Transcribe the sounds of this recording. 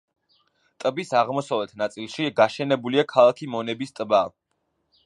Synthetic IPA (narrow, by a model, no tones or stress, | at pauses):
t̪ʼbisaʁmɔsavɛt̪ʰnat̪sʼilˠʃiɡaʃɛnɛbuliakʰalˠakʰimɔnɛbist̪ʼba